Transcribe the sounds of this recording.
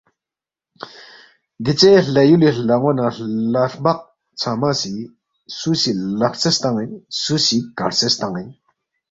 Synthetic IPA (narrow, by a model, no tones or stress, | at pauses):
nd̪it͡seɬajulilaŋwanalarmaχ̚ | t͡sʰamaɕi | suɕilaχht͡salht̪aŋjənsuɕikart͡salht̪aŋən